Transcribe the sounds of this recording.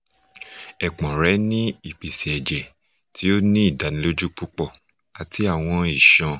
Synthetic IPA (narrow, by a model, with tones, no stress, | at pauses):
ɛ˨k͡pɔ̃˨ɾɛ˨˦nĩ˦i˦˨k͡pe˨sɛ˨ɛ˨d͡ʒɛ˨ | tʰi˨˦o˦nĩ˦i˦˨da˨nĩ˦lo˦d͡ʒu˦k͡pu˦k͡pɔ˦˨ | a˨tʰi˨˦a˦˨w̃ɔ̃˧i˨ʃɔ̃˧